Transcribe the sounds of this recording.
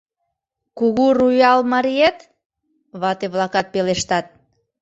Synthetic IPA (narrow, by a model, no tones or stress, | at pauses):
kuɣurujɑlmɑɾiet̪ | βɑt̪eβlɑkɑt̪̚peleʃt̪ɑt̪̚